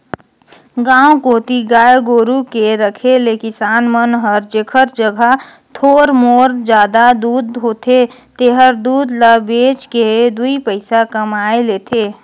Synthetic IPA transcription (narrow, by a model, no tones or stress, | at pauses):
ɡãːõkoːt̪iɡaːjɡoːɾukeɾəkʰelekɪsaːnmənɦəɾd͡ʒekʰəɾd͡ʒəɡʱə | t̪ʰoːɾmoːɾd͡ʒjaːd̪ad̪uːd̪ɦoːt̪ʰe | t̪eɦəɾd̪uːd̪ləbeːt͡ʃked̪uipəɪsakəmaːeleːt̪ʰeː